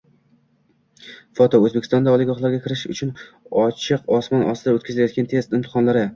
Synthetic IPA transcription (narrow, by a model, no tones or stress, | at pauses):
fɒt̪ʰɒɵzbekʰʲɪst̪ɒnd̪aɒlˠɪɡɒχlˠaɾɡʲakʲʰɪɾɪʃʊ̰t͡ʃʰʊn | ɒt͡ʃʰɪqɒsmɒnʔɒ̰st̪ɪd̪aot̪kʲʰazlajɒt̪̚ɡʲant̪ʰest̪ɪmt̪ʰɪ̥χɒnlaɾɪ